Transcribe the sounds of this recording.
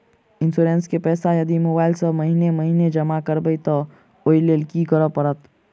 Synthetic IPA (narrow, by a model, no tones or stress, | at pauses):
ɪ̃nsuːɾẽːnskepɛːsajɐd̪imobaːɪlsɐmɐɦiːnemɐɦiːned͡ʒɐmakəɾbəit̪ɐ | oːileːlkikəɾəpɐɾət̪